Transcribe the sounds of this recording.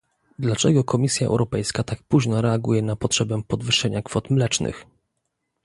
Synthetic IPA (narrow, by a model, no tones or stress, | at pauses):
d̪lat͡ʂɛɡɔkʰɔmʲisʲjaʔɛ̰wɾɔpɛjskat̪ak̚puʑnɔɾɛaɡujɛnapɔtʂɛbɛpɔd̪vɘʂɛɲakfɔt̪mlɛt͡ʂnɘ̰x